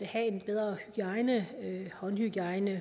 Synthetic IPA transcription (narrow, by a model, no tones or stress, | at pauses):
æhæe̝nb̥eð̞ˠʁɐhyɡ̥iɑ̈ɪnəøhɒ̽nhyɡ̥iɑ̈ɪnə